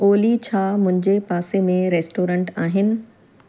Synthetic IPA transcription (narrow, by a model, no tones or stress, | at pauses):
oːlit͡ɕʰaːmʊ̃ɦɪ̃ɲd͡ʑepaːsemẽɾeːsʈoːɾə̃ɳʈaːɦɪnɪ̆